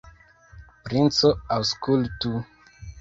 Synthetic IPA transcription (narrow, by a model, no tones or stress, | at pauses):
pɾint͡soawskultu